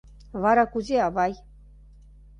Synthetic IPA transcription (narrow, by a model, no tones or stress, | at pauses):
βɑɾɑkuzeɑβɑj